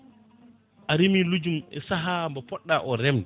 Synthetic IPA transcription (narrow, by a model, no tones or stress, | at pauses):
ʔaɾimilud͡ʒumɛ̰saɦambɔpɔɗːaʔɔɾɛmdɛ